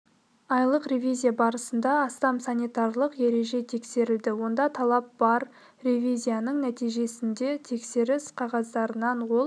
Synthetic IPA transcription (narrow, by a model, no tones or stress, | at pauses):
ɑjlˠəqrevʲijzʲijabɑɾəsənd̪ɑɑst̪ɑmsɑnijt̪ɑrlˠəqje̞ɾe̞ʒe̞t̪ʰe̞kse̞ɾɪld̪ɪwo̞nd̪ɑt̪ʰɑlˠɑp̚b̥ɑɾ | revʲizʲijanəɴnæt̪ijʒe̞sɪnd̪e̞t̪ʰe̞kse̞ɾɪsqʰɑʁɑzd̪ɑɾənɑnwo̞lˠ